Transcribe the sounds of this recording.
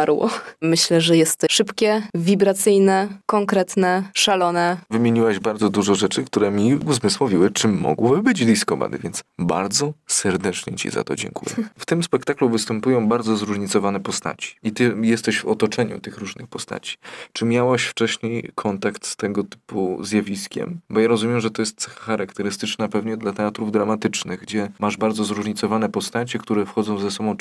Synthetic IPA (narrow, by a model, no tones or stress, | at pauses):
aɾwɔ̰mɘɕlɛʐɛjɛst̪ʂɘpkʲɛvʲibɾat̪sɘjnɛkɔŋkɾɛt̪nɛʂalɔnɛvɘmʲjeɲiwaʑbaɾd̪zɔd̪uʐɔʐɛt͡ʂɘkt̪uɾɛmʲiuzmɘswɔvʲiwɘt͡ʂɘmːɔ̰ɡwɔbɘbɘd͡ʑd̪iskɔpa̰d̪ɘ̰vʲjɛnt̪sba̰ɾd̪zɔsɛɾd̪ɛt͡ʂɲɛt͡ɕḭza̰t̪ɔ̰d͡ʑɛ̰̃ŋkṵjɛ̰ft̪ɘmspɛkt̪akluvɘst̪ɛmpujɔ̃w̃baɾd̪zɔzɾuʐɲit̪sɔvanɛpɔst̪a̰t͡ɕi̥it̪ɘjɛst̪ɛɕvɔt̪ɔt͡ʂɛɲṵt̪ɘxɾuʐnɘxpɔst̪a̰t͡ɕi̥t͡ʂɘmʲjawaɕft͡ʂɛɕɲejkʰɔnt̪akt̪st̪ɛɡɔt̪ɘ̥pṵzʲjavʲiskʲɛ̰mbɔjaɾɔzumʲjɛmʐɛt̪ɔjɛst̪sɛxḁxaɾakt̪ɛɾɘst̪ɘt͡ʂnapɛvɲɛd̪lat̪ɛat̪ɾuvd̪ɾamat̪ɘt͡ʂnɘɣɡd͡ʑɛmaʐbaɾd̪zɔzɾuʐɲit̪sɔvanɛpɔst̪at͡ɕɛkt̪uɾɛfxɔd̪zɔ̃w̃zɛsɔbɔ̃w̃